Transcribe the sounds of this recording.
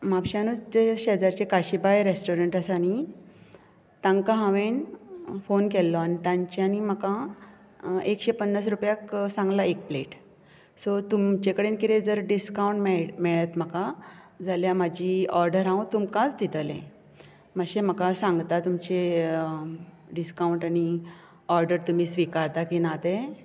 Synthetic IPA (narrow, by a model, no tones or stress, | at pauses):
mapɕanut͡sd͡ʑeɕeɦəd͡zaɾt͡ɕekaɕibajɾesʈoɾəɳʈəsañi | t̪ãŋɡkaɦãʋenfonkelːɔañit̪ãɲt͡ɕeanim̤əkã | ekɕepənːas̬ɾupjaksãŋɡlaek̚pleʈ | sɔt̪umt͡ɕekəɽenkiɾed͡zəɾɖiskawɳʈmemeɭet̪m̤aka | d͡zaljamad͡ʑiɔɾɖəɾɦãw̃t̪umkãt͡sd̪it̪əlḛ̃ | məɕem̤əkasãŋɡt̪at̪umt͡ɕe | ɖiskauɳʈañi | ɔɾɖəɾt̪um̤iːsʋikaɾt̪akinat̪e